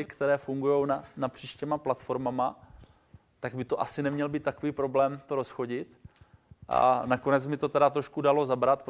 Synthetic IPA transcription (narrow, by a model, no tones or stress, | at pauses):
ɪkt̪ɛɾɛːfuŋɡujo̞wnanapr̥iːʃcɛmaplat̪fo̞ɾmama | t̪aɡbɪt̪o̞ʔasɪnɛmɲɛlbiːt̪ːakoviːpɾo̞blɛːmt̪o̞ɾo̞sxo̞ɟɪt̪ | ʔa̰nako̞nɛt͡smɪt̪o̞t̪ɛdat̪ɾo̞ʃkudalo̞zabɾat̪p